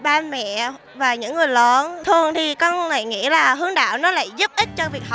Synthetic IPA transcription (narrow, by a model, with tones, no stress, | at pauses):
ɓaː˧mɛ̰˧˨ | vaː˨˩ɲɨ̰˧˥ŋːɨ˨˩əjlɔ˨˦nt̪ʰɨ˧˩əŋt̪ʰi˨˩kɔ˧nla̰ː˧˨jŋḭ˧˥laː˨˩ɦɨ˨˦əŋɗa̰ː˧˨wnɔ˨˦la̰ː˧˨jzu˦˥p̚ʔï˦˥t̟̚t͡ɕɔ˧vi˨˩ək̚h